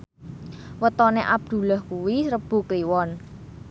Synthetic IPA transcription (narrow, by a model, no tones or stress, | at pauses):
wət̪ɔneʔab̚d̪̥ṳlɔhkuwisɾəb̥ṳkliwɔn